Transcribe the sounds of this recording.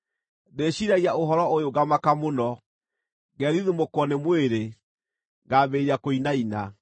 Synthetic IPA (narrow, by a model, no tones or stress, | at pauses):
deɕiɾaɣiaoɦɔɾɔojoɡamakamonɔ | ɡɛɾiðumokwɔnemweɾe | ɡaːbeɾeakoinaina